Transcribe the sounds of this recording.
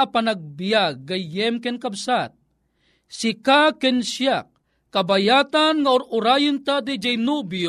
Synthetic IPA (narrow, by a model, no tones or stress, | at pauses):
apanaɡ̚bijaɡːajjɛmkɛnkabsat̪̚ | sɪkakɛnsjak̚ː | abajaːt̪anŋaʊʔʊɾajʊnt̪ad̪id͡ʒɛjnubjo